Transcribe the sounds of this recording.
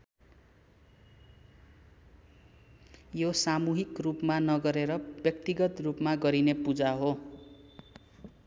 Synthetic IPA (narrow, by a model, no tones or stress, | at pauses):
josamuɦikrupmanʌɡʌɾeɾʌbjʌkt̪iɡʌt̪rupmaɡʌɾinepud͡zaɦo